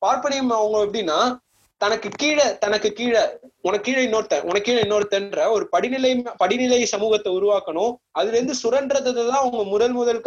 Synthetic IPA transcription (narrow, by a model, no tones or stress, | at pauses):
paːɾpɐɳɐjɯmɐʋɐŋɡɐɭɛpːɐɽɪnːaː | t̪ɐnɐkːɯkiːɻɐt̪ɐnɐkːɯkiːɻɐʊnɐkːiːɻɐɪnːoːɾt̪ːɛ̃ʔʊnɐkːiːɻɐɪnːoːɾt̪ːɛndɾɐɔɾɯpɐɽɪnɪlɐjmpɐɽɪnɪlɐjsɐmuːɣɐt̪ːɐʊɾʊʋaːkɐɳʊ̃ɐðɯlɛɾɯnd̪ɯsʊɾɐndɾɐðɐðɐt̪ãːɐʋɐŋɡɐmʊðɐlmʊðɐlkː